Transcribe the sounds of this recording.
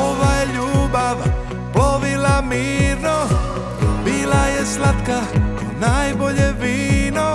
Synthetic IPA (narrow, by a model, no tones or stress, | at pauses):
ɔʋajɛʎuːbaʋa | ploʋilamiːɾno | bilajɛslat̪ka | najboʎɛʋiːno